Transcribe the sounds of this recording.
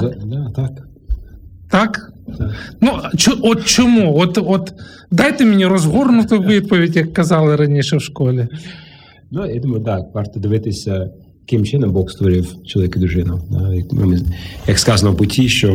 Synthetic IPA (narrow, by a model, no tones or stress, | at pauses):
d̪ad̪at̪ak | t̪ak̪ | nut͡ʃɔɔt̪t͡ʃɔmuɔt̪ɔt̪ | d̪ajt̪ɪmʲɪnʲiɾɔzɦɔrnʊt̪ɪʋɪt̪pɔʋʲɪdʲjɐkːɐzɑlˠɪɾɐnʲiʃɛwʃkɔlʲɪ | nujad̪umɐjʊd̪aʋɑrt̪ɐd̪ɪʋɪt̪ɪsʲɐ | ɐkɪmt͡ʃɪnɔmbɔxst̪ʋɔɾʲɪwt͡ʃɔlˠɐʋʲikʲd̪ɾʊʒɪnɐd̪a̰jɐkm̰mɪjɐkskɑzɐnɔpʊtʲʰiʃt͡ʃɔ